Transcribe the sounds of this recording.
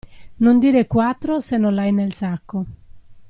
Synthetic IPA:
nond̪iːɾekwat̪ːɾosenːolajnelsakːo

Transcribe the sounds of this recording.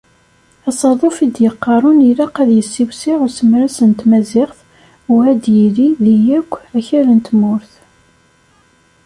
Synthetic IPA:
ɑsˤɑðˤofid̪jəqːɑɾˤʊniɾɑqæðjəsːiwsiʁʊɾsəmɾæsənt̪mæzɪʁθ | ʊæd̪jiliðijækʷːæçæɾənt̪mʊɾθ

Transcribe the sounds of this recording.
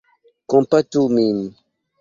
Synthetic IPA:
kɔ̃mpatumini

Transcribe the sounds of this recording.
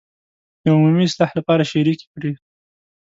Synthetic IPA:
d̪̥əʊmumiɪslɑhlapɑɾaʃiɾikkɽi

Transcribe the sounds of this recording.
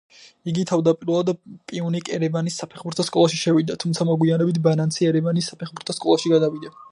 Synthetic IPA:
iɡit̪ʰavd̪apʼiɾɛlˠad̪pʼiunikʼɛɾɛbanisːapʰɛχbuɾt̪ʰɔskʼɔlˠaʃiʃɛvid̪at̪ʰumt̪sʰamɔɡwianɛbit̪ʰbanant̪sʰiɛɾɛvanisːapʰɛχbuɾt̪ʰɔskʼɔlˠaʃiɡad̪avid̪a

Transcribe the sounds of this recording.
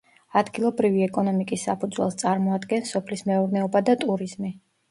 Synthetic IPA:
ad̪ɡilˠɔbɾiviɛkʼɔnɔmikʼisːapʰud̪zwɛlˠst̪sʼaɾmɔad̪ɡɛnsɔpʰlismɛɔɾnɛɔbad̪at̪ʼuɾiz̥mi

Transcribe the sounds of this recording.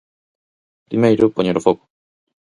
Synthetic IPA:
pɾimejɾupoɲeɾofoku̥

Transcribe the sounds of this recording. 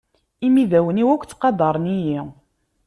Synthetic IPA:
imiðæwəniwækʷːt͡sːqɑd̪ˤɑɾˤniji

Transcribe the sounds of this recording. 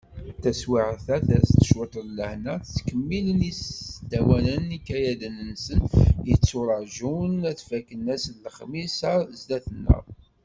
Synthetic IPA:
θæswiʕθæθæst̪ə̥ʃʊt̪ˤɾlːəhnæθt͡sːkəmːilənisd̪æwænənikːæjæðənənsənjət͡sːʊɾˤɑʒunæθfækːənæslːəχmisɑzd̪æθənːə̰ðˤ

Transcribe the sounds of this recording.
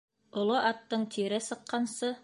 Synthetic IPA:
ŏlˠoʔɑt̪ːɤɴt̪ʰiɾɘsɤ̆qːɑnsɤ

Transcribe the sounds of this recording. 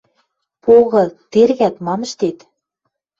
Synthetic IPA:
poɣɤ̆t̪erɣæt̪mɑmə̆ʃt̪et̪

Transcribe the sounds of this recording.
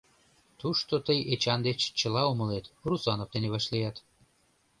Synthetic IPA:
t̪uʃt̪ot̪əjet͡ɕɑnd̪et͡ɕt͡ɕəlɑoməlet̪rusɑnoft̪eneβɑʃlijɑt̪

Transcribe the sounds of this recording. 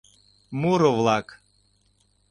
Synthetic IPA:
muɾɔʋlˠak

